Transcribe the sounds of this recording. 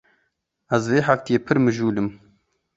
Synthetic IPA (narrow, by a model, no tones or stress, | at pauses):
ɛzveːħaft̪ijeːpʰɨɾmɨʒuːlɨm